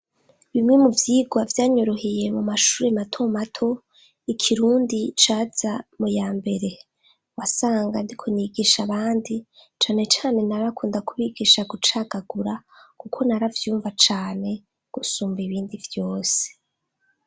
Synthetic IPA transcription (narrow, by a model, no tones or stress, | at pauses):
βimŋe̞muvjiːɡwavjaːɲo̞ɾo̞hije̞mumaʃuːɾe̞matʰo̞matʰo̞ | ikʰiɾuːndit͡ʃaːz̥amujaːmbe̞ɾe̞ | wasaːŋɡandikʰo̞niɡiʃaβaːndit͡ʃaːne̞t͡ʃaːne̞naɾakuːndakuβiɡiʃaɡut͡ʃaɡ̥aɡuɾakukʰo̞naɾavjuːɱvat͡ʃaːne̞ | ɡ̥usuːmbiβiːndivjo̞ːse̥